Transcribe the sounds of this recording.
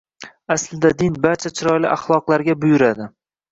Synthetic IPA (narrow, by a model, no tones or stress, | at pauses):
aslɪd̪ad̪ɪnbaɾt͡ʃʰat͡ʃʰɪɾɒjlɪ̰ʔaχlˠɒqlˠaɾɡʲabʊjʊɾad̪ɪ